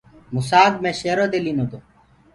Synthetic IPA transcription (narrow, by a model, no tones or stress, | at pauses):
mʊsaːɡmẽːʃeːɾoːd̪eːliːnoːd̪oː